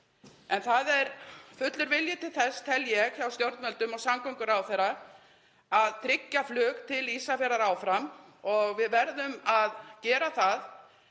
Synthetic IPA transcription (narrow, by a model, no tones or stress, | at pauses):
ɛnθaðɛɾfʏt̪lʏɾvɪljɪt̪ʰɪlθɛst̪ʰɛljɛɣçawst̪jowɾt̪mœlt̪ʏmɔɣsamkɔwŋkʏɾaːwθɛɾa | aðt̪ʰɾɪcːaflʏːkt̪ʰɪliːsafɛɾaɾaːwfɾamɔɣvɪðvɛɾðʏmaðcɛːɾaθað